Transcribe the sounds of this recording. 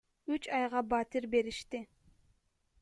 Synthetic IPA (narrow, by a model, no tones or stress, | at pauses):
yt͡ʃɑjʁɑbɑt̪iɾbe̞ɾiʃt̪i